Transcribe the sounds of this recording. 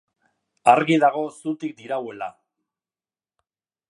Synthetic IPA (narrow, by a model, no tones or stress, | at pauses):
aɾɣiðaɣ̞o̞sut̪ik̚d̪iɾawe̞la